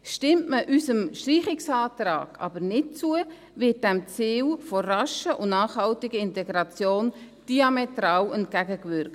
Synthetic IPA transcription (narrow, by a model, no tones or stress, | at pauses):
ʃtɪmtməʔysəmʃtriːχɪksɑːtrɑ̰ːɡ̥ɑ̰bəɾnɪt̚t͡suə | vɪt̚d̥ɛmt͡siːlfɔrɑʃəʔʊnnɑːχhɑltɪɡəɪntɛɡɾɑt͡sjoːn | d̥iɑmɛtrɑːwɛnt̚ɡ̥æɡəkvʏɾk